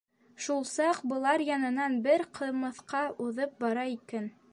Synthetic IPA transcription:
ʃulˠsɑqbɤ̆lˠɑɾjɑnɤ̆nɑnbɘɾqʰɤ̆mɤ̆θqɑuðɤp̚bɑɾɑikæn

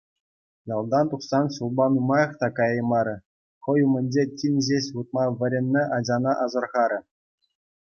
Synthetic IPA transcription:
jɑlˠd̪ɑnt̪uχsɑnɕulˠbɑnumɑjɤ̆χt̪ɑkɑjɤ̆mɑɾʲɘ̆ | χɤ̆jumʲɘ̆nʲd͡ʑetʲinʲʑʲeɕʲut̪̚mɑʋʲɘ̆ɾʲɘ̆nʲːɘ̆ʔɑd͡ʑɑnɑʔɑzɤ̆rʁɑɾʲɘ̆

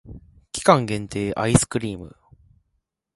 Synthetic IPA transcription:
kʲi̥kãŋɡẽ̞nt̪e̞ːʔaisɨ̥kɯ̟ɾʲiːmɯ̟̰

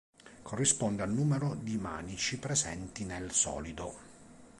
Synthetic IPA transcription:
kʰorːispɔnd̪ealnuːmeɾod̪ima̰ːnit͡ʃipɾezɛ̰nt̪inelsɔ̰ːlid̪o

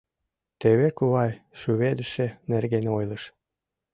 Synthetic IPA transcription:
t̪eβekuβɑjʃyβed̪ə̆ʃĕnerɣenojləʃ

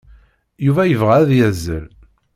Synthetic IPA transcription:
juvæjəvʁæðjæzːə̰ɾ

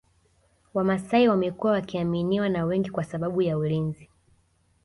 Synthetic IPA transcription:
wamasaiwamɛkuwawakiaminiwanawɛŋɡikwasaɓaɓujaulinzi

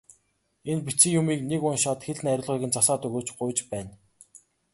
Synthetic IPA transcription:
enpit͡sĭŋjʊmiːknekʊnʃat̪xeɮ̆næɾʲʊ̆ɮʁiːɣɘ̆nt͡sasaːt̪ɵɣoːt͡ɕɢʊjt͡ɕpæːn

